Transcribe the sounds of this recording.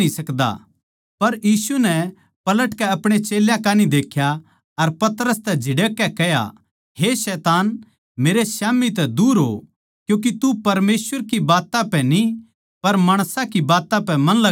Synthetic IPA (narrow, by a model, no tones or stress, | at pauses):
isɐkd̪a̰ | pɐɾjiːsunɛ | pɐləʈkɛɐpɽ̃et͡ʃeːljãkaːnid̪eːkʰja | ɐɾpɐt̪ɾəst̪ɛd͡ʒʱɪɽekːɛkɛja̰ | ɦesɛːt̪aːn | meːɾesaːmit̪̬ɛd̪uːɾɦo̰ | kjũːk̬it̪upɐɾmeːswəɾkibaːt̪ãpɛ̃ni | pɐɾmaːɽ̃sãkibaːt̪ãpɛ̃mɐ̃nlɐ